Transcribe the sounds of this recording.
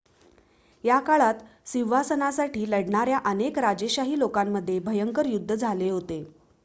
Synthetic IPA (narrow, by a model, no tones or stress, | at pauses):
jakaɭat̪ | siʋasənasaʈiːləɽɳaɾjaʔənekɾad͡ʑeɕaɦiːlokamːəd̪ʱːjebʱəjəŋkəɾjud̪ʱːəd͡zʱaleɦot̪e